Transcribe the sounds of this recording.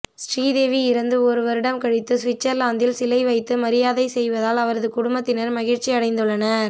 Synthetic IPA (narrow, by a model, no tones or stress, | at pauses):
sʈɾiːðeːʋiɪɾɐnd̪ɯɔɾɯʋɐɾɪɽɐmkɐɽɪt̪ːɯsʋɪt͡ʃːɐɾlaːnd̪ɪlsɪlɐɪʋɐɪt̪ːɯmɐɾɪjaːðɐɪsɛjʋɐðaːlɐʋɐɾɐðɯkʊɽʊmbɐt̪ːɪnɐɾmɐɣɪɾt͡ʃːiɐɽɐɪnd̪ɯɭːɐnɐɾ